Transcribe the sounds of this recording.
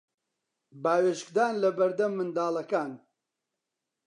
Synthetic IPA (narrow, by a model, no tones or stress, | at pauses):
baːweːʃkd̪aːnlɐbɐɾd̪ɐmːɨnd̪aːlɐkaːn